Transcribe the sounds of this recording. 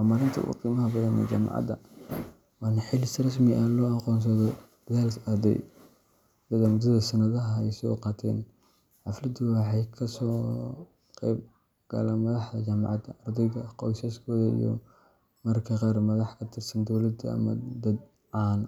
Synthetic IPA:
wamaːɾɪnt̪ʰɐ̰ʔṵqiːmɐɦɐbɐðɐnɛ̰d͡ʒa̰ːmɑ̰ʕɑ̰d̪ɐ̰ | wɑːnɐħɪlɪsrɐs̬mɪʔaːlɔːɑqɔːns̬ɐðɔd̪̥ɐðaːlsɐrd̪ɛ̰j | d̪ɐðɐmʊd̪ɐðɐsɐnɐðɐɦɐɛjsɪɔ̰qɑːt̪ʰɛ̰ːn | ħɑflɐd̪ʊwɑħɑjkʰɐsɔː | qɛ̰ːb̚ | ɡ̥ɐ̰laːmɐðɑħðɐt͡ʃaːmɑ̰ʕɑd̪ɐʔɐrd̪ɛjɣɐqɔjsɐskʰɔːðɐḭjɔ̰ | mɐrkʰɐqɑːrmɐðɑħkʰɐt̪ʰɪrsɐnd̪ɔwlɐd̪ɐɐ̰mɐd̪ɐd̪ | ʕɑːn

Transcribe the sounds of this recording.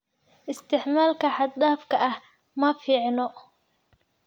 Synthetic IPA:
ɪst̪ʰɪʕmaːlkʰɐħɑd̪̚d̪aːfkʰɐʔɐh | mɐfiːʕnɔ

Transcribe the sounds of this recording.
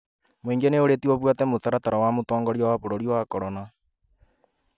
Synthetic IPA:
mweːŋɡeneoɾetiɔβwatɛmoθaɾataɾawamotɔːŋɡɔɾiɔwaβoɾoɾiwakɔɾɔna

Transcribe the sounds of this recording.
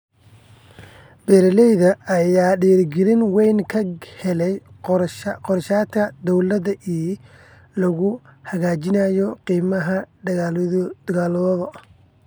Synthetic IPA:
b̥ɛːɾlɛjðɐɐjaːɖiːrɡɪɾɪnwɛjnkʰɐhɛlɛj | qɔrʃaːt̪kʰɐd̪ɔwlɐðɐʔiː | lɐɣʊhɐɣaːt͡ʃɪnaːjɔqiːmɐɦɐ | d̪̥ɐɣaːlðɔðɔ

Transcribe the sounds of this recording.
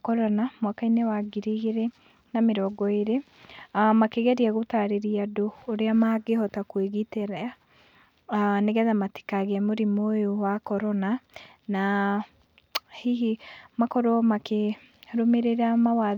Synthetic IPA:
kɔɾɔnamwakainewaɡiɾeɣeɾɛ | nameɾɔɡɔeɾe | makeɣɛɾiaɣotaɾeɾiadoːɾeamaɡehɔtakweɣiteɾɛa | neɣɛðamate̥kaɣeamoɾimojowakɔɾɔna | na | hiɦimakɔɾɔmake | ɾomeɾeɾamawa

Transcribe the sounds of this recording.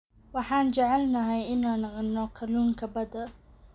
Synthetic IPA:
wɑħɑːnt͡ʃɛʕɛlnɐɦɛjɪnaːnɐqnɔqʰɐluːŋkʰɐbɐd̪ɐ

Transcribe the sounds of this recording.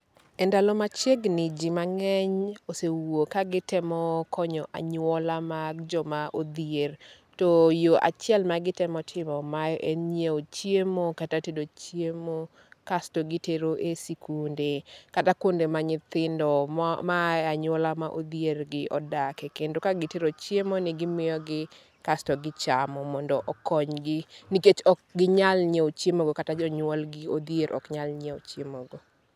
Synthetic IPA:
ɛndalɔmat͡ʃeɡnɪd͡ʒimaŋɛɲosewokaɡɪtɪmɔkʰɔɲɔʔa̰ɲwɔlamad͡ʒɔmaʔod̪ijer | tojoʔa̰t͡ʃɪɛlmaɡɪtɪmɔtʰɪmɔmajɔʔenɲeot͡ʃjemokatatedot͡ʃjemo | kastoɡɪteɾoʔesikundekatakondemaɲɪt̪ɪndɔmaaɲwɔlamaʔod̪ierɡɪʔɔdakɛkendokaɡɪteɾot͡ʃjemonɪɡɪmɪjɔɡɪ | kastɔɡɪt͡ʃamɔmɔndɔʔɔkɔɲɡɪniket͡ʃɔk̚ɡɪɲalɲeot͡ʃjemoɡokatad͡ʒɔɲwɔlɡɪod̪ieɾʔɔ̰kɲalɲeot͡ʃjemoɡo

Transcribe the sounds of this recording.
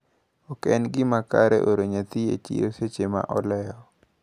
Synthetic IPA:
ɔkɛnɡɪmakaɾɛ̰ʔoɾeɲat̪iḛt͡ʃḭjoset͡ʃema̰ʔɔlɛjɔ

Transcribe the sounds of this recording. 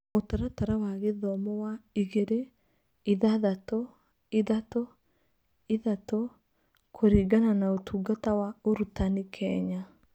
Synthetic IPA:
otaɾataɾawaɣeðɔmɔwaiɣeɾe | iðaðatɔ | iðatɔ | iðatɔ | kʰoɾiːɡananaotʰuːɡatawaoɾutanikʰɛɲa

